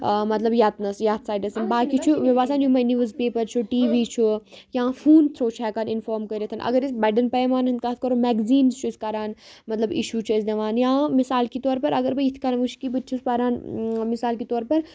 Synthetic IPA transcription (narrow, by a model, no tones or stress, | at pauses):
mɐt̪lɐbjaːt̪nɐsjaːt̪ʰsaːjɖɐsɐnbaːkit͡ʃʰuʋebaːsaːnjumɐniʋɐzpeːpɐɾt͡ʃʰuʈiːʋiːt͡ʃʰujãːfʰuːnt̪ʰɾoːt͡ʃʰɛːkaːninfoːɾmkɐɾet̪ʰɐnʔɐ̰ɡɐɾisbɛɖɐnpɐjmaːnɦɨ̃nd̪̚kaːt̪̚ʰkɐɾomɛːɡziːnzt͡ʃʰuskaːɾaːnmɐt̪lɐbḭʃuːt͡ʃʰɐsʲd̪eʋaːnjãːmisaːlkit̪ɔːɾpɐɾɐɡɐɾbɐjit̪ʰkɐːnɐʋuʃkibɨt̪t͡ʃʰuspaɾaːnmisaːlkit̪ɔːɾpɐɾ